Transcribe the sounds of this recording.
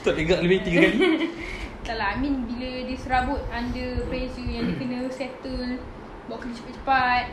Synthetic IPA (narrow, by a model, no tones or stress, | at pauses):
t̪ɔʔdəɡaʔləbent̪iŋkani | t̪alamĩnbiladisəɾabʊt̪̚andəpɾesəjãŋdiəkənə̃sɛt̪əl | bɔʔkədit͡ʃə̥pat̚t͡ʃə̥pat̪̚